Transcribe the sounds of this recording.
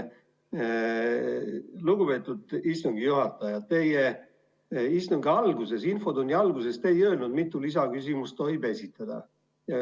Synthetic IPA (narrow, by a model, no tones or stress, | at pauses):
luɡ̥ube̞ːt̪ːˑud̪̥ist̪uŋɡ̥ijuhɑt̪ːˑɑjɑt̪t̪ːe̞je | ist̪uŋɡiɑlɡuse̞sinfo̞d̪unʲjiɑlɡ̥use̞st̪eejø̞lnud̪mit̪ːˑulis̬ɑkysʲimust̪o̞jbe̞sʲit̪ːˑɑd̪̥ɑ̰ | jɑ